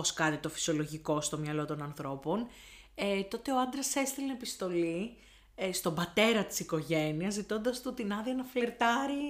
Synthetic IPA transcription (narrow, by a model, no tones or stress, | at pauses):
oskɐt̪it̪o̞fi̥sio̞loʝiko̞st̪o̞mɲɐlo̞t̪o̞nɐnθɾo̞po̞n | et̪o̞t̪e̞o̞ɐnd̪ɾɐse̞st̪ilenepist̪o̞li | st̪o̞mbɐt̪e̞ɾɐt̪i̥siko̞ʝe̞niɐzːit̪o̞nd̪ɐst̪ut̪inɐðiɐnɐfleɾt̪ɐɾi